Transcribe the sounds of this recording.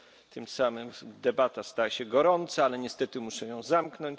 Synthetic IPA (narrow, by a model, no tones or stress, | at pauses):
t̪ɘmsamɘmd̪ɛbat̪ast̪ajaɕɛɡɔɾɔnt̪saalɛɲɛst̪ɛt̪ɘmuʂɛjɔ̃w̃zamknɔɲt͡ɕ